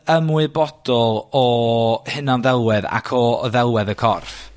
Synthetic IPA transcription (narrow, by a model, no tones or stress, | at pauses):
əmwɨbɔd̥ɔlˠɔhɪnɔnðɛlˠwɛða̰kʰɔðɛlˠwɛðəkʰɔrf